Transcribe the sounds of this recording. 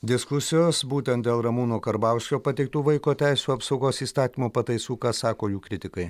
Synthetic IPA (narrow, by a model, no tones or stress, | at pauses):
d̪ʲɪskʊsʲɪjoːsbuːt̪ʲɛnt̪d̪ʲeːlˠɾɐmuːnoːkɐɾbɐˑʊʃʲkʲoːpɐt̪ʲɛɪk̚t̪uːʋɐɪkoːt̪ʲæˑɪsʲuːɐpsɐʊɡoːsiːst̪ɑːt̪ʲiːmoːpɐt̪ɐɪsuːkɑːsɑːkoːjuːkɾʲɪt̪ʲɪkɐɪ